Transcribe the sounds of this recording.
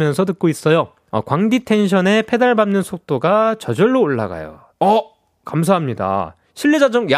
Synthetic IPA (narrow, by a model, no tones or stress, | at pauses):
mjʌnsʰʌt̬ɯk͈̚ois͈ʌjo | ʌ̰kwaŋditʰe̞nɕʰʌne̞pʰe̞daɭbamnɯnsʰok̚t͈oɡat͡ɕʌd͡ʑʌɭːoːɭːa̰ɡa̰jo̰ | ʌ | kams̬ʰaɦamɲida̰ | ɕʰiɭːed͡ʑad͡ʑʌŋja